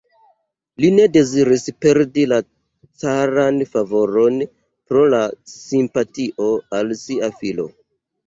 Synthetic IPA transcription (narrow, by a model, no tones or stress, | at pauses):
line̞de̞ziɾispe̞ɾdila | t͡saɾanfavo̞ɾo̞n | pɾo̞lasimpatiʔo̞alsiafilo̞̰